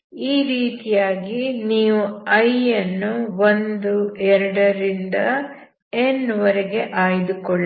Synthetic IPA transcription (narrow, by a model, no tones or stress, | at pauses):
iːɾiːt̪ijaːɡiniːʋuɐjɐnːuʋond̪uɛɾɐɽɐɾind̪ɐ | enʋɐɾɛɡe̞ʔaːjid̪ukɔɭː